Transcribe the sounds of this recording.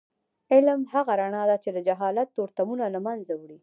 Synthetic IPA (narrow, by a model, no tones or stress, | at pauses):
ɪlmhaɣaɾaɳɑd̪at͡ʃed̪əd͡ʒaɦɑlat̪ːoɾt̪amunalamanzawɽi